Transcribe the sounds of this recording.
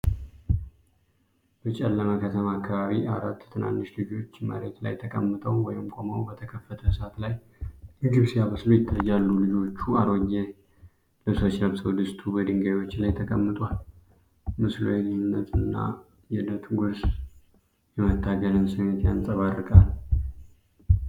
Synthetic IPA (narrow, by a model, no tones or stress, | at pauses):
b̥ət͡ʃʼɛlːəmakʰət̪ʰəmaːkʰːaβaβiʔaɾat̪ːt̪ʰɨna̰nːɨʃlɨd͡ʒo̞t͡ʃːmə̰ɾet̪la̰jt̪ʰəkʼəmːɨt̪ʰʼəwwɔjɪmkʰomowbət̪ʰəkʰəfːət̪ʰəhɨsat̪laj | lɨɡɨβsjaβəslujɪt̪ʰːəjalːulɨd͡ʒo̞t͡ʃːuaɾoɲːe | ləsot͡ʃnəmsəwd̪ɨst̪ʰubəd̪ɨŋɡajwo̞t͡ʃːlajt̪ʰəkʼəmːɨt̪ʼwal | mɨslo̰jɛlɨhnːət̪ʰɨnːa̰ | jɛdət̪ʰɡuɾs | jɛmət̪ʰːaɡəlɨnsɨmet̪jansʼəβarːɨkʼal